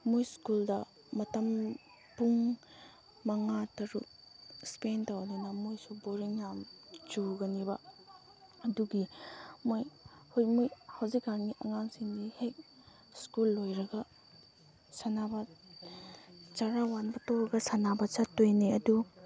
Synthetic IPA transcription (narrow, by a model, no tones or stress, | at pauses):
mujskuldɐ | mɐtɐm | puŋ | mɐŋatɐɾu | spentawdanɐmojsuboɾiŋjamt͡ʃuɡɐnibɐ | ɐduɡimojhojmujhɐwzikːanɡiʔɐŋaŋsiŋdihek̚ | skulːojɾɐɡɐ | sanabɐ | t͡ʃaɾawanbɐtoɾɐɡɐsanabɐt͡ʃatojniɐdu